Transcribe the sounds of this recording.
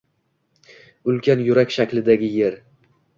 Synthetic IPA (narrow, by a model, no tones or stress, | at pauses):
ʊlkʲʰanjʊɾakʲʃakʲlɪd̪aɡʲɪjeɾ